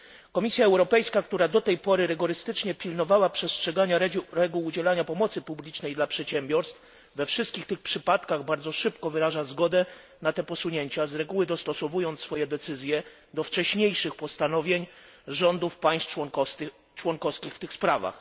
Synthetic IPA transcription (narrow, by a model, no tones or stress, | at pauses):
kɔmʲisʲjaɛwɾɔpɛjskakt̪uɾad̪ɔt̪ɛjpɔɾɘɾɛɡɔɾɘst̪ɘt͡ʂɲɛpʲilnɔvawapʂɛstʂɛɡaɲaɾɾɛɡuwːd͡ʑɛlaɲapɔmɔt̪sɘpublʲit͡ʂnɛjd̪lapʂɛtɕɛmʲbʲjɔɾst̪f | vɛfʂɘst̪kʲixt̪ɘxpʂɘpat̪kaɣbaɾd̪zɔʂɘpkɔvɘɾaʐazɡɔd̪ɛ | nat̪ɛpɔsuɲeɲt͡ɕazɾɛɡuwɘd̪ɔst̪ɔsɔvujɔnt̪sfɔjɛd̪ɛt̪sɘzʲjɛ | d̪ɔft͡ʂɛɕɲejʂɘxpɔst̪anɔvʲjeɲ | ʐɔnd̪ufpaj̃st̪ | t͡ʂwɔŋkɔfskʲixft̪ɘxspɾava̰x